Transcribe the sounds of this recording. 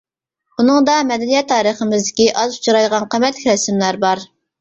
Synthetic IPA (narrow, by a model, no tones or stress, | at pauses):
bunɨŋd̪ɑmɛd̪ɛnijɛt̪ʰːɑːɾəχəmɨzd̪ɪkʲiʔɑzu̥t͡ʃʰɾɑjʁɑnqʰəmɛt̪lɪkʲɾɛsɪmlæɾbɑɾ